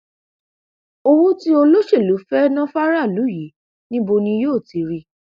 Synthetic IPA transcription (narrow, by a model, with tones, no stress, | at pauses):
o˧wu˦ti˦o˧lo˦ʃe˦˨lu˨˦fɛ˦nɔ̃˦fa˦ɾa˦˨lu˨˦ji˨˦ | nĩ˦bo˧nĩ˧joː˦˨ti˨˧ɾi˧˦